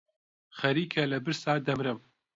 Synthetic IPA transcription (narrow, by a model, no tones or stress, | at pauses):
χɐɾiːkʰɐlɐbɨɾsaːd̪ɐmɾɨm